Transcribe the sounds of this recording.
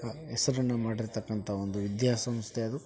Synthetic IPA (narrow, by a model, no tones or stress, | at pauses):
ɐɛsɐɾɐnːɐmaːɽiɾt̪ɐkːɐnt̪ʰɐo̞nd̪uʋid̪jaːsɐmst̪ʰeɐd̪u